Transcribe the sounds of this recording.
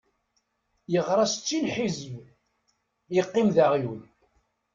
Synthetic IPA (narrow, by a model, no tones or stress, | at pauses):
jəʁɾˤɑst͡sːilħizm | jəqːimðæʁjun